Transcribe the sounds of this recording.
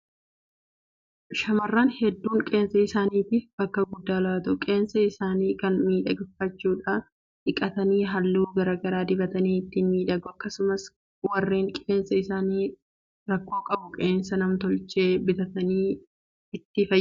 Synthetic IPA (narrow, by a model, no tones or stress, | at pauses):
ʃɐmɐrːaːnhɛd̪ːuːŋkʼe̞ːnsɐɪsaːniːt̪ɪfbɐkːɐɡʊd̪ːaːlaːt̪ʊkʼe̞ːnsɐɪsaːniːkɐnmiːᶑɐɡɪfːɐt͡ʃːuːᶑa | ᶑɪkʼɐt̪ɐniːɦɐlːuːɡɐɾɐɡɐɾaːd̪ɪbɐt̪ɐniːɪt̪ːɪnmiːᶑɐɡʊɐkːɐsʊmɐs | wɐrːiːŋkʼeːnsɐɪsaːniː | ɾɐkːo̞ːkʼɐbʊkʼeːnsɐnɐmt̪ɔlt͡ʃe̞ːbɪt̪ɐt̪ɐniː | ɪt̪ːɪfɐ